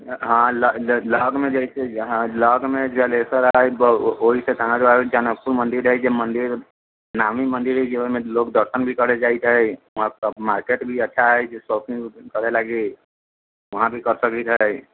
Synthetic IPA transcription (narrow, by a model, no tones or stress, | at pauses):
ɦãlləːɡmẽd͡ʒɛiseɦãləːɡmẽd͡ʒɛleːsəɾɦaɛboɦiset̪aɦãd͡ʒoad͡ʒənək̚puɾmə̃nd̪ɪɾɦɛd͡ʒemə̃nd̪ɪɾ | naːmimə̃nd̪ɪɾɦɛd͡ʒemẽloːkd̪əɾʃənbʱikəɾed͡ʒaːit̪ɦɛʋɐɦãmaːɾkeːʈbʱiətːʃʰaɦɛd͡ʒesoːpɪ̃ŋkəɾelaːɡe | ʋɐɦãbʱikəɾsəkit̪ɦɛ